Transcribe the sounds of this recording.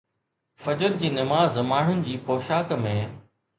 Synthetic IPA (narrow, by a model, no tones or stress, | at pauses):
fɐd͡ʑəɾd͡ʑiːnɐmaːzmaːɳ̤ʊnɪ̆d͡ʑiːpoːʃaːkmẽː